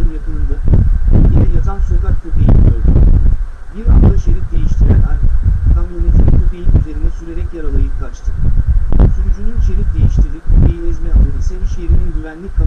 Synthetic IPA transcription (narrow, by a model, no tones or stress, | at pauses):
ɯnjakʰɯlˠɯnd̪ɯɟinɛjazʰamsokat̪̚kʰopʰijimʲijoɾd̪ʊ̰ | biɾa̰flˠaʃeɾit̪d̪e̞jiʃt̪ʰiɾæ̰naɾk̪ʰamonʲit̪ʰinipʰuijiyzʲe̞ɾinɛsyɾe̞ɾɛcjaɾalˠajɯp̚k̪ʰat͡ʃt̪ʰɯ̥ | syɾd͡ʒynynʃe̞ɾitd̪e̞jiʃt̪ʰilʲivejilʲizmɛat̪oɾisɯʃeiɾininɟyvænlʲickʰːa